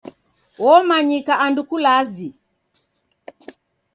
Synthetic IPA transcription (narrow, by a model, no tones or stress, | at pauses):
wɔmaɲikaʔandukulazi